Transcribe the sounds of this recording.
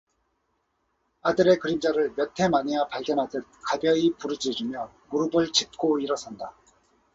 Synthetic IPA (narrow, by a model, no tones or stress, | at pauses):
adɯɾe̞kɯɾimd͡ʑaɾɯɭmjʌtʰe̞manijapaɭɡjʌnɦadɯt̚kabjʌipuɾɯd͡ʑid͡ʑimjʌmuɾɯbɯɭt͡ɕip̚k͈oiɾʌsʰʌnda